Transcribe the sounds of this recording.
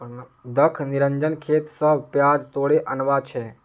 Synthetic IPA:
d̪əkʰniɾəɲd͡ʒənkʰet̪səbpjad͡ʒt̪oɽeʔənʋat͡ʃʰe

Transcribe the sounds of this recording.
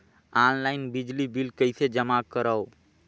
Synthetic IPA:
aːnlaɪnbɪd͡ʒlibilkəɪsed͡ʒəmakəɾəo

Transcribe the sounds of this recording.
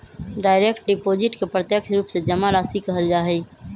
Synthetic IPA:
ɖaːɪɾekʈ̚ɖɪpoːd͡ʒɪʈkepɾət̪jəkʃɾuːpsed͡ʒəmalaːsikəɦəld͡ʒaːɦɛ

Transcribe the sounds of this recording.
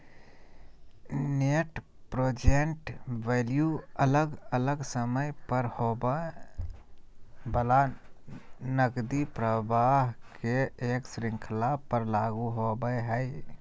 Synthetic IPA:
neʈ | pɾoːd͡ʒenʈʋeljuələɡələɡsəməjpəɾhobə | bəla | nəɡd̪ipɾəbaɦkeeːksɾɪ̃ŋkʰlapəɾlaɡuɦobəjɦəj

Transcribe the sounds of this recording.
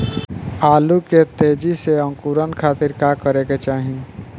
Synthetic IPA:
aːluket̪eːd͡ʒiseə̃ŋkuɾənkʰaːt̪ɪɾkakəɾeket͡ʃaːɦĩ

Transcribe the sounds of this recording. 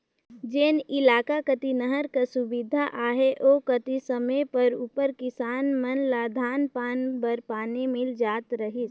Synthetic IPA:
d͡ʒeːnɪlaːkakət̪inəɦəɾkasʊbɪd̪ʱaʔaːɦeʔoːkət̪isəməjpəɾupəɾkɪsaːnmənlad̪ʱaːnpaːnbəɾpaːnimɪld͡ʒaːt̪ɾəɦit̪

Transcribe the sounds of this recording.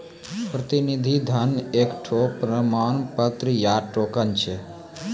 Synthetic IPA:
pɾət̪inid̪ʱid̪ʱənekʈʰopɾəmaːnpət̪ɾəjaʈokənt͡ʃʰe

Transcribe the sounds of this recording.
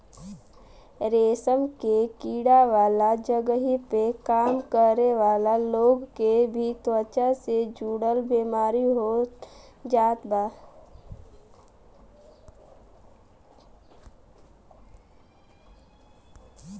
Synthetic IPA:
ɾeːsəmkekiːɽaʋaːlad͡ʒəɡəɦipekaːmkəɾeʋaːlaloːɡkebʱit̪wət͡ʃased͡ʒuːɽəlbiːmaːɾiɦo | d͡ʒaːt̪baː

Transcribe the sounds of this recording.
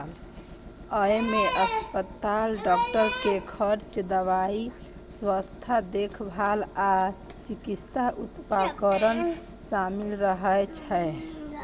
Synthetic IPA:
l | əjmeʔəspət̪alɖɔk̚ʈəɾkekʰəɾt͡ʃd̪əʋai | swəst̪ʰad̪ekʰbʱala | t͡ʃikist̪aʔut̪pakəɾən | samilɾəɦət͡ʃʰɛe

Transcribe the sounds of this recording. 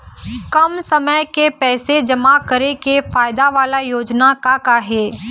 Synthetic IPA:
kɐmsɐməjkepɛːsed͡ʒɐmakəɾekefaːjd̪aʋaːlajoːd͡ʒnakakaɦɛː

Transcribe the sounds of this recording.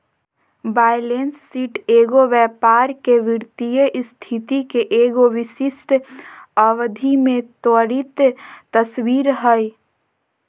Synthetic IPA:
baːjlensːiːʈeːɡoʋjɛːpaːɾkeʋɪɾt̪ijəʔst̪ʰit̪ikeʔeːɡoʋɪsɪsʈ̪ʰəʋd̪ʱimẽt̪əɾit̪t̪əswiːɾɦəi

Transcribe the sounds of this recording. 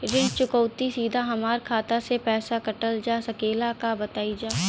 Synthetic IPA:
ɾɪ̃nd͡ʒt͡ʃʊkɔːt̪isiːd̪ʱaɦɐmaːɾkʰaːt̪asepɛːsakɐʈəld͡ʒaːsɐkeːlakabɐt̪aːid͡ʒaː

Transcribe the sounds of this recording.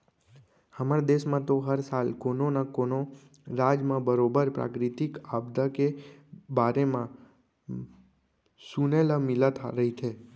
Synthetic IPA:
həməɾd̪eʃmãt̪oɦəɾsalkononakono | ɾad͡ʒmãbəɾobəɾpɾa̰kɾit̪ikabd̪akebaɾemã | sunelamɪlat̪ʰa̰ɾəɦit͡ʃʰe

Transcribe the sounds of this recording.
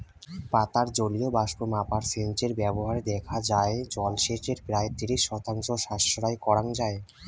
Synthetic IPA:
pat̪aɾd͡ʑoliobaʃkomapaɾsent͡ɕeɾbɛboɦaɾed̪ɛkʰad͡ʑaed͡ʑɔlʃeʈeɾpɾaet̪iɾiʃːɔt̪aŋʃoʃaʃoɾajkɔɾaŋd͡ʑae

